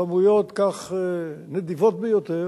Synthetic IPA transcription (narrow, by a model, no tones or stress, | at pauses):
amujot̪kaχened̪ivot̪̚bejot̪e